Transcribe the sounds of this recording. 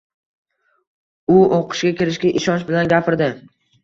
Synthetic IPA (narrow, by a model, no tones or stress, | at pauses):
ʊoqʰɨ̥ʃɡʲakʲʰɪɾɪʃkʲaʔɪʃɒnt͡ʃbɪlanɡʲapʰɪɾd̪ɪ